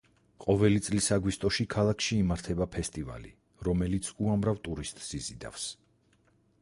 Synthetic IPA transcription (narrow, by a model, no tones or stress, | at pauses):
qʼɔvɛlit̪sʼlisaɡwist̪ʼɔʃikʰalˠakʰʃiːmaɾt̪ʰɛbapʰɛst̪ʼiva̰lḭ | ɾɔmɛlit̪sʰuamɾavt̪ʼuɾist̪ʼsizid̪a̰fs